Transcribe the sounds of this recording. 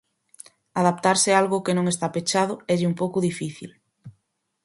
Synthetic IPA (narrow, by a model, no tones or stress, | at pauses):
aðap̚t̪aɾsɪaalɣʊkenõŋest̪apet͡ʃað̞ʊɛʎɪumpowkʊðifiθḭl